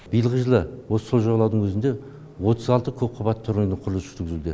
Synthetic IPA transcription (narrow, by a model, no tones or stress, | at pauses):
b̥ijəlˠʁəʒəlˠəwo̞sə̥soʒoʁɑlˠɑwd̪əɴwʰɵzɪnd̪e̞ | wot̪əzɑlˠt̪əkʲʰɵp̚qʰʊβɑt̪ʰːʊɾnnəqʰʊɾlˠəzʒʏ̥t̪ʰɾɡʲɪzd̪ɪ